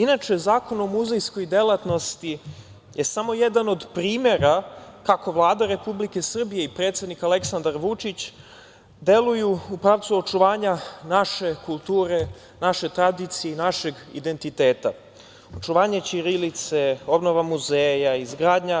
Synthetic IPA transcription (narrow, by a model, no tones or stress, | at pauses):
inat͡ʃe̞zaːko̞nomuzejsko̞jd̪e̞lˠat̪no̞st̪i | jʔe̞samo̞je̞d̪ano̞d̪pɾiːmje̞ɾakako̞vlˠaːd̪aɾe̞publike̞sr̩bijeipɾet̪sed̪nikale̞ksand̪aɾʋut͡ʂit͡ɕ | d̪e̞lujuupɾaʋt̪suo̞t͡ʃuʋaːɲanaʃe̞kulˠt̪uːɾe̞ | naʃe̞t̪ɾad̪it̪sijeinaʃe̞ɡ | ḭd̪e̞nt̪it̪e̞ːt̪a | o̞t͡ʂuʋaːɲet͡ɕiɾilit̪se̞o̞bno̞ʋamuzeːjaizɡɾaːd̪ɲa